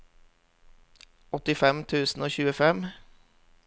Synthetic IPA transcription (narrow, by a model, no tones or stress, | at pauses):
ɔt̪ɪfɛmt̪ʰʉːsn̩oːçʉːəfɛm